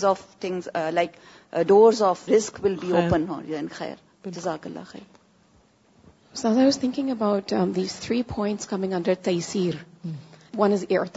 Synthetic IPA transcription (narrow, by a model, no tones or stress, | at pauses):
zɔːft̪ʰɪ̃ŋzlaɪk | ɖoːɾzɔfɾɪskwɪlbiːoːpə̃nhɔ̰̃nɛ̃nxɛ̰ːɾ | d͡ʒəzaːkəlːa̰xɛ̰ːɾ | sãzaɪwʌz̥θɪ̃ŋkɪ̃ŋəbaʊt̪ðiz̥θɹiːpʰɔ̃ɪ̃ntskʰʌmɪ̃ŋʌ̃ndə˞t̪eɪsiːɾ | wʌ̃nɨzɛɹt̪